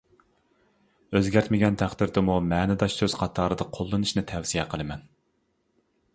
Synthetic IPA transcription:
øzɡʲæɾt̪mɪɡʲɛnt̪ʰæχd̪ɪɾd̪ɪmumɛːnɪd̪ɑʃsøz̥qʰɑt̪ʰɑːɾɨd̪ɨqʰolˠːɨnɨʃnɨt̪ʰɛwsijɛqʰəlˠɨmɛn

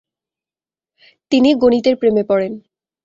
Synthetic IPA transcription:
t̪iniɡonit̪eɾpɾemepɔɽen

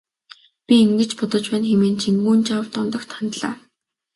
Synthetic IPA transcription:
pʲiiŋɡɘ̆t͡ɕpʊt̪ɞ̆t͡ɕpæːnxemeːnt͡ɕʰiŋɡuːnt͡ɕawt̪ɔnt̪ɞ̆kt̪ʰant̪ɮa̰ː

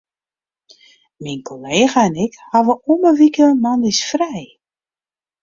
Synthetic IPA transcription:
minkʰoleːɣaɛnɪkhɑʋəuməʋikəmɑndisfrɛj

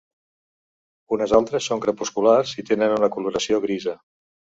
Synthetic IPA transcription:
unəzalˠt̪ɾəsːoŋkɾəpuskularzit̪enənunəkuluɾəsioɣɾizə

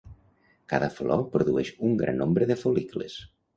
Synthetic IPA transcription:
kaðəflɔpɾoðuɛʃuŋɡɾa̰nːombɾəðəfoliklə̰s

